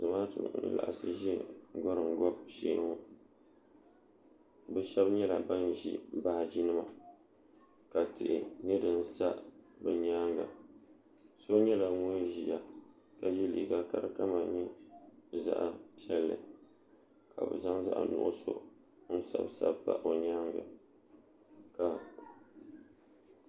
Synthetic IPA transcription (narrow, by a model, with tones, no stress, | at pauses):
zɨ˨maː˦tɨ̰˨ʔn̩˦la̰˨ʔa˨sɨ˨ʒi˦ɡɔ˦ɾɨ˨ŋ˨ɡɔ˦bʃiː˦ŋo˦ | bɛ˦ʃɛ˦bɲɛ˦la̰˨ba˦nʒḭ˦˨ba˦˨d͡ʒi˦nɨ˦ma˨ | ka˨tɨ˨ʔɪ˨ɲɛ˦dɨ˨n˦sa˦bɛ˨ɲaː˦ŋɡa̰˨ | so˦ɲɛ˦la˨ŋʊ˦n˦ʒi˨ja˨ | ka˨ji˦liː˨ɡa˨ka˦ɾɨ˦ka˦ma˨ɲi˦ | za̰˦ʔa˨pi˦ɛ˦lːɨ̰˨ | ka̰˨bɨ̰˨za˦ŋza̰˦ʔa̰˨nʊ̰˨ʔʊ̰˦so̰˦ | n̩˦sa̰˦bsa˦bba̰˦ʔo˨ɲaː˦ŋɡa̰˨ | ka˨